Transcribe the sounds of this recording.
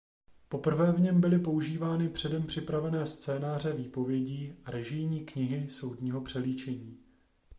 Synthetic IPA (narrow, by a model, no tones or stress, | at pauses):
po̞pr̩vɛːvɲɛmbɪlɪpo̞uʒiːvaːnɪpr̝̥ɛdɛmpr̝̥ɪpɾavɛnɛːst͡sɛːnaːr̝ɛviːpo̞vjɛɟiːaɾɛʒɪjɲiːkɲɪɦɪso̞wdɲiːɦo̞pr̥ɛliːt͡ʃɛɲiː